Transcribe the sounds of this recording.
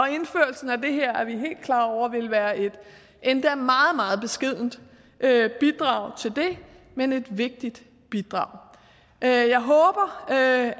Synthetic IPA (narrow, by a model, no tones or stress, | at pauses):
ɒ̽e̝nføɐ̰l̩sn̩æd̥e̝ɦeɐ̰æɐʋiɦe̝̰ːld̥̚kʰlɑ̈ːɒʊ̰ʋe̝lʋæːɐʔe̝d̥ | ʔend̥ææɐmɑ̈ːð̩ˠmɑ̈ːð̞̩ˠb̥e̝sɡ̥e̝ð̞̰ˠn̩d | ʔøb̥id̥ʁɑ̈ʊ̰t͡sʰe̝ld̥e̝ | mene̝d̥ʋe̝ɡ̥̚d̥id̥ | b̥id̥ʁɑ̰̈ʊ̰ | jɑ̈ɪɦɔ̽ːb̥ɐ